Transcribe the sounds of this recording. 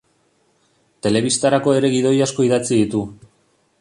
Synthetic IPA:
t̪e̞le̞β̞ist̪aɾako̞e̞ɾe̞ɣið̞o̞jasko̞iðat͡siðit̪u

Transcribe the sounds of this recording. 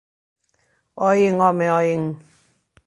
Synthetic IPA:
ɔjiŋɔmɛɔjiŋ

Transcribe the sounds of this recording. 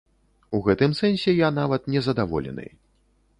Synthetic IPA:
uɣɛt̪ɨmsɛnʲsʲɛjan̪avɐt̪nʲɛzɐd̪avɔ̰lʲɛ̰nɨ̰j

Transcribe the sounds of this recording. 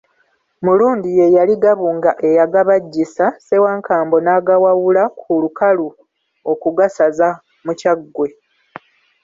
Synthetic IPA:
muluːndije̞jaliɡaβuːŋɡaʔe̞jaɡaβaɟːisase̞waːŋkaːmbo̞naɡawawulakʰulukalu | o̞kuɡasaza | mucaɡːwe̞

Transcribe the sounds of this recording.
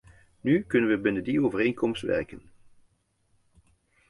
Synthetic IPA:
nykɵnənʋəbɪnəndioːvəɾejnkɔmstʋɛ̰ɹkən

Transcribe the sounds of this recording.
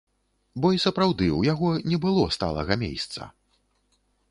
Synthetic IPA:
bɔisɐpɾawd̪ɨwjaɣɔnʲɛbɨlˠɔst̪a̰lˠɐ̰ɣɐmʲḛjst̪sɐ̰

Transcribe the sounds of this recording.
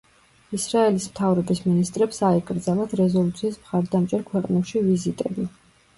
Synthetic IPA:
isɾaɛlismt̪ʰavɾɔbisminist̪ʼɾɛpsaɛkʼɾd̪zalat̪ʰɾɛzɔlˠut̪sʰiːsmχaɾd̪amt͡ʃʼɛɾkʰwɛqʼnɛʃivizit̪ʼɛbi

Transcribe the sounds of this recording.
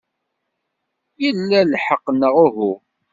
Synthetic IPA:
jəlːælħəqːnəʁʊɦu

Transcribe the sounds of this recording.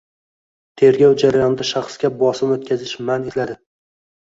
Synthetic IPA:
t̪ʰe̞ɾɡʲɒwd͡ʒaɾajɒnd̪aʃɑχsɡʲabɒsɪmot̪̚kʲʰazɪʃmaneslad̪ɪ

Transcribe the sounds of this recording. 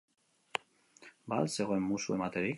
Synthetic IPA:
balse̞ɣo̞e̞mːusue̞mat̪e̞ɾik

